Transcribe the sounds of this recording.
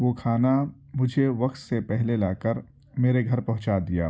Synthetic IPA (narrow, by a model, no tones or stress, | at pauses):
ʋoːkʰaːna | mʊd͡ʒʱeʋɐqt̪sepɛɦlelaːkəɾ | meːɾeɡʱɐɾpɐɦʊ̃t͡ʃad̪ija̰ː